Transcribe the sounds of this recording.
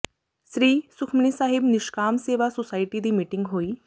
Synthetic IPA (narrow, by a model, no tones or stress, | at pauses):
sɾiːsʊkʰməniːsaːɦɪbnɪʃkaːmseːʋaːsosaːɪʈiːd̪iːmiːʈɪŋɡɦoːiː